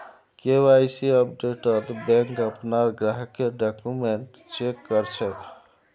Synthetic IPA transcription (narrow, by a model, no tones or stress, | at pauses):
kewajsiəpɖeʈət̪bɛ̃ŋkəpnaɾɡɾaɦkeɖakumeɳʈ | t͡ʃekːəɾt͡ʃʰɛk